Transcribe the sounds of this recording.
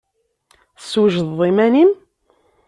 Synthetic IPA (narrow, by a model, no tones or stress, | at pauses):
swʒðˤimænim